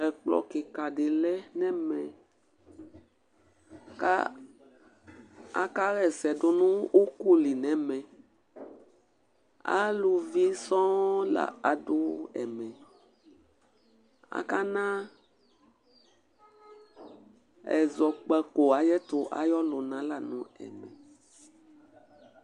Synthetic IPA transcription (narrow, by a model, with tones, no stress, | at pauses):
ɛ˨k͡plɔ̰˨ke˨ka˨ɖe˨lɛ˦nɛ̃˦mɛ̃˨ | ka˦ | a˦ka˦ɣɛ˨sɛ˨ɖo˨nũ˦ʔu˦ku˦li˨nɛ̃˦mɛ̃˨ | a̰˦lu˨vi˦sɔ̃˦la̰˨a˨ɖo˦ɛ̰˨mɛ̃˨ | a̰˨ka˦nã˦ | ɛ̰˨zɔ˨k͡pɛ˨ko˨a˨jɛ˦t̪o˦ʔa̰˨jɔ˦lo˨nã˦la˨nṵ̃˨ɛ̰˨mɛ̰̃˨